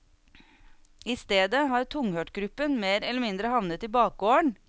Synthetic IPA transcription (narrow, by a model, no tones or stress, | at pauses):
ɪst̪eːd̪əɦɑːɾt̪ʰʊŋhøːʈɡɾʉpənmeːɾɛlːəmɪnd̪ɾəhɑʋnət̪iːbɑːk̚ɡoːəɳ